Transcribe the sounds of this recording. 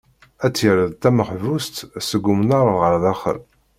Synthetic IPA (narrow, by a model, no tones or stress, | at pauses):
æt͡sːjəɾəðt̪æməχvust̪səɡːumnaɾˤʁəɾˤðæχə̰l